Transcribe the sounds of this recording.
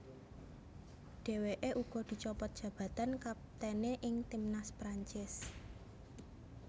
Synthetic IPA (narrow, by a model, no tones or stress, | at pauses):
ɖ̥e̤weʔeʔuɡ̥ɔ̤d̪̥i̤t͡ʃɔpɔt̪̚dʒ̥ä̤b̥ä̤t̪ankap̚t̪ɛneʔɪŋt̪imnaspɾaɲt͡ʃɪs